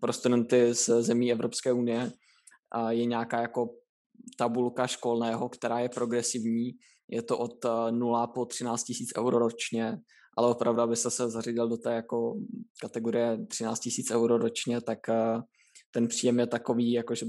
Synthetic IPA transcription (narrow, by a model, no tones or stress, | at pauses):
pɾost̪udɛnt̪ɪzzɛmiːɛvɾo̞pskɛːʔunɪjɛ | jɛɲaːkaːjako̞ | t̪abulkaʃko̞lnɛːɦo̞kt̪ɛɾaːjɛpɾo̞ɡɾɛsɪvɲiː | jʔɛt̪o̞ʔot̪nulapot̪r̥ɪnaːt͡st̪cɪsiːt͡sʔɛ̰wɾoɾo̞t͡ʃɲɛ | ʔa̰lɛʔo̞pɾʔavduabɪst̪ɛsɛzariɟɪldo̞t̪ɛːjako̞kat̪ɛɡo̞ɾɪjɛt̪r̥ɪna̰ːt͡scɪsiːt͡sʔɛwɾoɾot͡ʃɲɛt̪akː | t̪ɛnpr̥iːjɛmjɛt̪ako̞viːjako̞ʒɛ